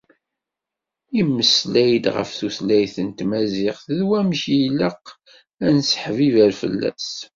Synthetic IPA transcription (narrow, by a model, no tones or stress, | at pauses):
iməslæjd̪ʁə̰fθuθlæjθənt̪mæzɪχθðwæmʃjləq | ænsħvivæɾfə̰lːæ̰s